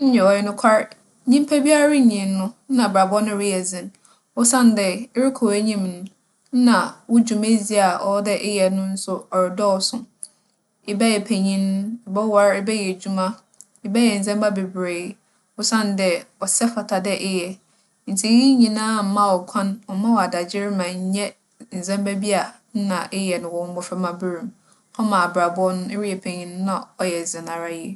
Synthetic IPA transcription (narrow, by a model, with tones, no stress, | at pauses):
n̩˦ɲɛ˨ɔ˨jɛ˦nʊ̃˦kʷʰa˦ɾ | ɲĩ˦m˦pʰæ˦bi˦a˦ɾɪ˦˨ɲĩ˨n˦nʊ̃˦n̩˦nã˨bɾa˨bɔ˦nʊ̃˦ɾɪ˦jɛ˨zɪ̃˨n | ʊ˦sã˦n˨dɛ˨ɪ˦ɾɪ˦kʰɔ˨æ˦ɲĩ˦mnʊ̃˨˦ | nã˨wʊ˦d͡ʑu˨me˦zi˦a˨ʔɔ˦dɛ˦ʔɪ˦jɛ˨nʊ̃˦n̩˦sʊ˦ɔ˨ɾɪ˨dɔː˦˨sʊ̃˨ | ɪ˨bɛ˦jɛ˨pʰæ˨ɲĩ˦n˦ɪ˨bɛ˦wa˨ɾɪ˦bɛ˦jɛ˨d͡ʑu˦mã˦ | ɪ˦bɛ˦jɛ˨n̩˨zɛ̃˦mba˦be˨bɾeː˨˦ | wʊ˦sã˦n˦dɛ˨wɔ˨sɛ˦fa˨tʰa˨dɛ˦ʔɪ˦jɛ˨ | n̩˨tʰi˦ji˦ɲĩ˨nãː˦m̩˦mã˦wɔ˨kʷʰã˦nwɔ˨mã˦wɔ˨a˨da˨d͡ʑɪ˦ɾmã˨ɲ˦ɲɛ˦ | n̩˨zɛ̃˦mbæ˦bi˦a˨ | n̩˦nã˨ʔɪ˦jɛ˨nɪ̃˨wɔ̃˨˦m̩˦bʊ˦fɛ˦mã˦bɪ˦ɾũ˨m | ɔ˦mã˨a˨bɾa˨bɔ˦nʊ̃˦e˦ɾi˦ɛ˨pʰe˨ɲĩ˦n˦nã˦˨ɔ˨jɛ˨zɪ˨nã˨ɾa˦ji˦